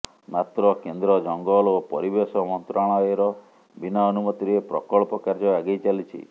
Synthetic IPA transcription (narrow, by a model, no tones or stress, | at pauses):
mat̪ɾɔkend̪ɾɔd͡ʒɔŋɡɔlopɔɾibesɔmɔnt̪ɾaɭ̃ɔeɾɔ | binaɔnumɔt̪iɾepɾɔ̰kɔɭpɔkaɾd͡ʒɔaɡejt͡ʃalit͡ʃʰḭ